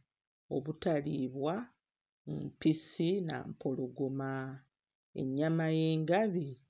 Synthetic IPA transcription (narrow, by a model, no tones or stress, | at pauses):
o̞̰βutaliːβwa | mpisina̰mpʰo̞lo̞ɡo̞ma | e̞̰ɲːamaje̞ːŋɡaβi